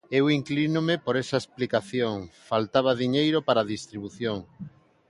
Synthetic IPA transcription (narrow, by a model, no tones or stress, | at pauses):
ewiŋklinomepoɾesaesplikaθjoŋfalt̪aβ̞aðiɲejɾopaɾaðist̪ɾiβuθjoŋ